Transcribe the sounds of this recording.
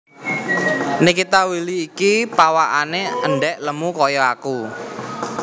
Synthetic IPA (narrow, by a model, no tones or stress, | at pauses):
nɪkit̪awiliːkipawaʔaneəɳɖɛʔləmukɔjɔaku